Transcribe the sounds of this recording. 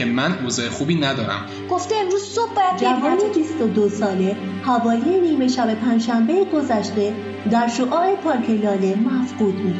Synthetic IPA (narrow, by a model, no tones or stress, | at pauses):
emænoːzɒːexuːbiːnæd̪ɒːɾæ̰m | ɡ̥oft̪eemɾuːz̥sob̚bɒːjæd̪̚d͡ʒævɒːnebist̪o̞d̪osɒːle̞hævɒːjejeniːme̞ʃæbe̞pʰæːnd͡ʒʃæmbejeɡo̞zæʃt̪e̞ | d̪æɾʃoʔɒːɾepʰɒːɾkʰe̞lɒːle̞mæfɢuːd̪buːd̪̥